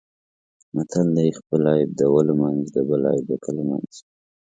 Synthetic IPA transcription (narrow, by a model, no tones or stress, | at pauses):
mat̪ʰald̪aixpəlɑjb̚d̪əwəlmanzd̪əbəlɑ̰jb̚d̪əkʰəlma̰nz̥